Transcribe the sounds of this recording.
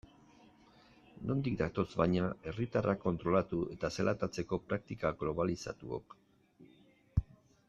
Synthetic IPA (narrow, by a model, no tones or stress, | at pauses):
no̞nd̪ikd̪at̪o̞sbajɲae̞rit̪arakːo̞nt̪ɾo̞lat̪ue̞t̪aselʔat̪at͡se̞ko̞pɾak̚t̪ikaɡlo̞βalisa̰t̪uo̰k